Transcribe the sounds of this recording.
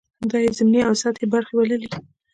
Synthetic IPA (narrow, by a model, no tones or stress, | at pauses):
d̪ɑjezɪmniawsɑt̪ebaɾxewaləli